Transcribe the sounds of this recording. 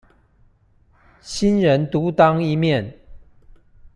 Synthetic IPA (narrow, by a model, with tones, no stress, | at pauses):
ɕi˦nɻə˨˦nt̪u˨˦t̪ɑ˦ŋi˧˦mjɛ˥˨n